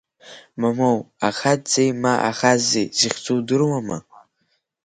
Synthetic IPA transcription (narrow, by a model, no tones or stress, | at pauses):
mamowaχad͡zejmaʔa̰χazejziχʲt͡sʼuwdɨrwama̰